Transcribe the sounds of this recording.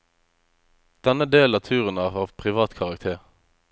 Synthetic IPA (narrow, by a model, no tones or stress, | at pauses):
d̪̥ɛnəd̪eːlɑːt̪ʰʉːʁənæːʁhɑːʁpʰʁɪʋɑːt̪kʰɑʁɑk̚t̪ʰeːʁ